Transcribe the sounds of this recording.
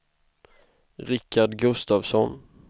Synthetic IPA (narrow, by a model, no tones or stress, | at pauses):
ɾɪkʰːaɖɡɵst̪aːvsɔn